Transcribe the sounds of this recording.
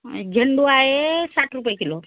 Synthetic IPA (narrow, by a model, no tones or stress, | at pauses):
ɡʱeɳɖuaɦesaʈɾupjekilo